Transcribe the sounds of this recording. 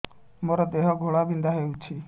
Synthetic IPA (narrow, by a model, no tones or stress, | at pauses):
moɾɔd̪eɦɔɡʱoɭabind̪aɦewt͡ʃʰi